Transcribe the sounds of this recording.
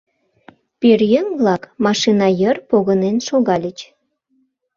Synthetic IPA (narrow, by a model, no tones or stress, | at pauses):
perjəŋβlɑkmɑʃinɑjərpoɣənenʃoɣɑlʲət͡ɕ